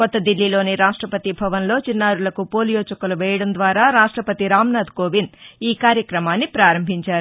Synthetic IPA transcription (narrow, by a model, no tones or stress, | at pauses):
kɔt̪ːɐd̪ilːilo̞ːniɾaːʂʈɾɐpɐt̪ibʱɐʋɐnlo̞ːt͡ʃinːaːɾulɐkupoːlijoːt͡ʃɐkɐluʋɛːjɐɽɐnd̪ʋaːɾaːɾaːʂʈɾɐpɐt̪iɾaːmnaːd̪koːʋiniːkaːɾjɐkɾɐmaːnːipɾaːɾɐmbʱiɲt͡ʃaːɾu